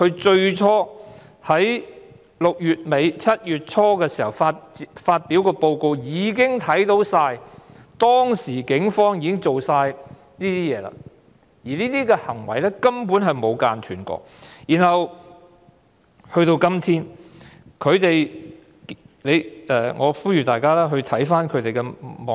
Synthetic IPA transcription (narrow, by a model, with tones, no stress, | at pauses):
kʰɵ˨˧ɥt͡ʃɵ˧ɥt͡ʃʰɔː˥ | hɐ˨˥j | lʊ˨k̚jyː˨t̚me˨˧jt͡sʰɐ˥t̚jyː˨t̚t͡ʃʰɔː˥kɛː˧siː˨˩hɐ˨˩wfaː˧t̚faː˧t̚pi˨˥wkɔː˧po˧wko˧wjiː˨˧kɪ˥ŋt̪ʰɐ˨˥jt̪o˨˥wsaː˧j | t̪ɔː˥ŋsiː˨˩kɪ˨˥ŋfɔː˥ŋjiː˨˧kɪ˥ŋt͡so˨wsaː˧j | niː˥t̪iː˥jɛː˨˧la̰ː˧ | jiː˨˩niː˥t̪iː˥kɛː˧hɐ˨˩ŋwɐ˨˩jlɛː˥kɐ˥mpuː˨˥nɦɐ˨jmo˨˧wkaː˧nt̪ʰyː˨˩nkɔ̰ː˧k̚jiː˨˩nhɐ˨w | hɵ˧ɥt̪o˧wkɐ˥mt̪ʰiː˥n | kʰɵ˨˧ɥt̪e˨j | le˨˧jɛ˨ŋɔː˨˧fuː˥jyː˨t̪aː˨jkaː˥laː˥ɦɵ˧ɥt̪ʰɐ˨˥jfaː˥nkʰɵ˨˧t̪e˨jkɛː˧mɔ˨